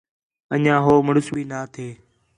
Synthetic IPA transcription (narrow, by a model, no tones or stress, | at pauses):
əɲãːɦoːməɽʊsɓiːnaːt̪ʰeː